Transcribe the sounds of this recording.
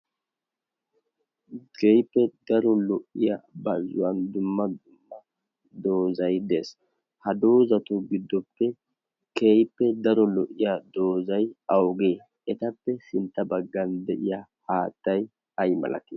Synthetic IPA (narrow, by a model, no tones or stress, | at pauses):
ɡejpːɛd̪̥ɐɾɔlɔʔːɪjabɐzʊwɐnd̪ʊmːɐd̪ʊmːɐ | d̪o̞ːzɐjd̪es | hɐd̪oːzɐt̪ʊɡɪd̪ːɔpːɛ | kejpːɛd̪ɐɾɔlɔʔːɪjad̪o̞ːzɐjɐwɡeː | ɛt̪ɐpːɛsɪnt̪ːɐbɐɡːɐnd̪ɛʔɪjahaːt̪ːɐj | ɐjmɐ̰lʔɐ̰t̪ɪ